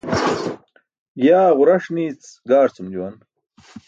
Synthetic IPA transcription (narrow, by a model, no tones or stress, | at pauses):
jaːʁuɾɐʂniːt͡sɡaːɾt͡sʰumd͡ʑuwɐn